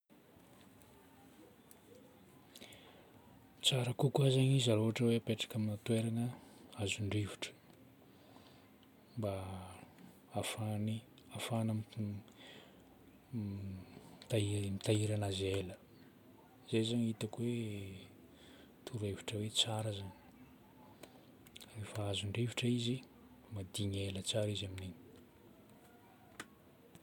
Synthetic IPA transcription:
t͡saɾəkukuazaɲizaloɦaʈ͡ʂəweapeʈ͡ʂḁkaminat̪weɾanəazuɳɖ͡ʐiviʈ͡ʂə̥ | mba | afani | afanam | t̪amit̪aiɾanazelə | z̥ajzaɲit̪akuwe | t̪ʰuɾeviʈ͡ʂəwet͡saɾəzani̥ | refaazuɳɖ͡ʐeviʈ͡ʂəizi | mad̪iɲelət͡saɾizamineni̥

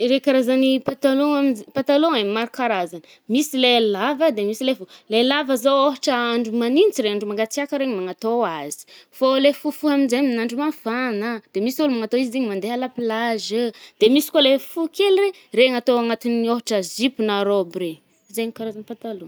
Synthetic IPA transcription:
ɾekaɾazanipat̪aloŋamzpant̪aloŋemaɾukaɾazanə | misilelavəd̪emisilefulelavəzowoɦaʈ͡ʂəaɳɖ͡ʐumaninit͡siɾeaɳɖ͡ʐumaŋɡat͡siakəɾeɲimaŋat̪oaz̥i̥folefufuaminzeminaɳɖ͡ʐumafanəd̪̥emisiulumaŋat̪oizid̪eɲimand̪eɦalapilazəd̪̥emisi̥kwalefukelire | reŋat̪oaŋat̪inioɦaʈ͡ʂəzipunaɾobre | zeɲikaɾazanipant̪aloŋ

